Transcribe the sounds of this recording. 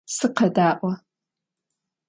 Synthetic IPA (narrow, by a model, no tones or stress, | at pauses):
sɨqɐdaːʔʷɐ